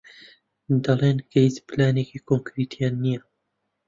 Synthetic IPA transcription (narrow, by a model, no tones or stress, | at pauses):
d̪ɑleːnkejsplaːneːkiːkʰoŋkɾit̪ʰijaːnːija